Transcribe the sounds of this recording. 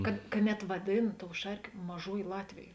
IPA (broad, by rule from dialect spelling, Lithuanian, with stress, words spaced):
kɐt kɐ ˈnʲɛt ʋɐˈdʲeːn toːʊ ˈʃɐrʲkʲeː ˈmɑːʒuɔjeː ˈlˠɑːtʲʋʲeːjeː